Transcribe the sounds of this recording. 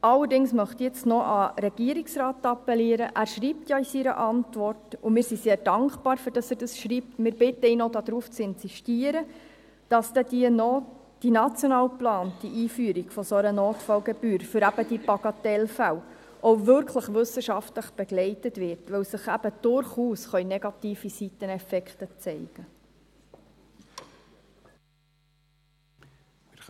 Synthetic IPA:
ɑlːərdɪŋsmœχt̪jɛt͡stnɔʔəɾɛɡ̥iəɾiksrɑːtɑpːɛliəɾəʔæːɾʃriːp̚tjɑisiɾə̰ʔɑntvɔrtʊmɪːɾsiseːɾd̥ɑŋkbɑːɾfʏɾd̥ɑsæɾd̥əsʃriːp̚tmɪːɾbɪtəinodɑd̥̪ɾuːft͡sɪnsiʃtiəɾə | d̥ɑsd̥̪ɛdinɔ | d̥inɑt͡sjonɑːwplɑːntiʔiːfyəɾiɡ̥fɔsoɾənoːtfɑwɡɛbyːɾfʏɾæbəd̥ipɑɡ̥ɑtɛlfæw | ʔoʊvʏɾkʰləχʋɵsəʃɑftləχb̥eɡlɛɪtətʋɪɾtʋɛwsəχæb̥əd̥ʊɾχuːsχœʏneɡɑtiːfisitənɛfɛkχtət͡sɛɪɡ̥ə

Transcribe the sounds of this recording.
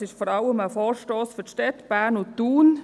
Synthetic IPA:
sɪʃfɔɾɑləməfɔːɾʃtoːsfʏʃtɛt̪b̥æːnʊt̪uːn

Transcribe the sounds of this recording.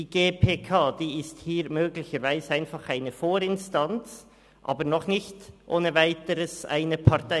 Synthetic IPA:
iɡ̥eːpʰeːkʰaːd̥iːɪsthiːɾmøːɡlɪçəɾvaɪzəaɪnfɑχaɪnəfoːɾɪnstant͡s | ʔa̰ːbəɾnɔχnɪçtʔoːnəvaɪtəɾəsa̰ɪnəpʰɑʁta

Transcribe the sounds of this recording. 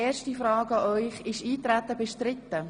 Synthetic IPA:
eːɾʃtifɾɑːɡɑʔœʏχɪʃiːt̪ɾæt̪ːəbɪʃtɾɪt̪ːə

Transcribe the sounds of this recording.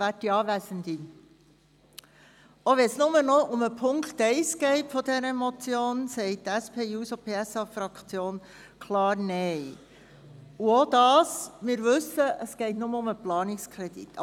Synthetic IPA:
æːtːiɑːʋæsənd̪i | oʋɛnsnʊmənoʔʊməpʰʊŋktɛɪsɡ̥ɛɪtfɔdɛɾəmɔt͡sjoːnsɛɪt̚tæspʰeːjuːsopʰeːɛsɑfɾɑkt͡sjoːn | kʰlɑːɾnɛɪ | uod̪̥ɑːsmɪːɾvɵsəʔəsɡ̥ɛɪtnʊməʊməplɑːnɪkskʰɾɛd̥̪ḭt̪ːʰɑ

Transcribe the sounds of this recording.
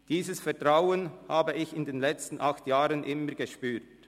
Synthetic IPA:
d̥iːzəsfɛɐtʁaʊənhaːbəɪçɪndeːnlɛt͡stn̩ʔɑxtjaːʁənʔɪməʁɡ̥eʃpyːt

